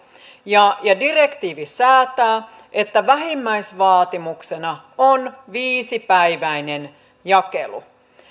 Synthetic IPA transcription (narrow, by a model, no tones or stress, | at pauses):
jɑjɑdirekt̪iːʋisæːt̪æː | ʔet̪ːæʋæɦimːæisʋɑːt̪imuksenɑ | onʋiːsipæiʋæinen | jɑkḛlṵ